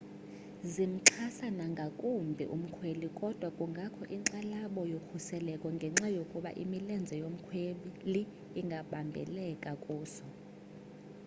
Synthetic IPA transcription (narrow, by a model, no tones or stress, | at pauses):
zim̩ǁʰasanaŋɡʱakʼumbʱḭʔṵm̩kʰwelikʼɔd̥ʱwakʼuŋɡʱakʰɔʔiǀalaɓɔjokʰusɛlɛkʼɔŋɡʱɛŋ͡ǁajokʼuɓa̰ʔḭmilɛnd͡zʱɛjom̩kʰweɓiliː | ŋɡʱaɓambʱɛ̰lɛkʼakʼuːsɔ